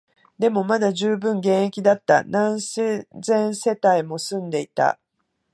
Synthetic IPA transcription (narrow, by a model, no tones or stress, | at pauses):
d̪e̞mo̞mad̪aʑɨːbɯ̟̃ŋɡẽ̞ɰ̃ekʲid̪at̪ːa̰nãɰ̃sezẽ̞ɰ̃se̞t̪aimo̞sɨ̃nd̪e̞it̪a̰